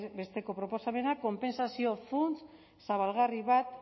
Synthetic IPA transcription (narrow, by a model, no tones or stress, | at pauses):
be̞st̪e̞ko̞pɾo̞po̞same̞nako̞mpe̞nsasio̞funt͡s | saβalɣariβat̪̚